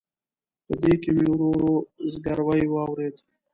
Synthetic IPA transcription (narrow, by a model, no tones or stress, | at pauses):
pəd̪ekemewɾoɾozɡaɾwajwɑwɾed̪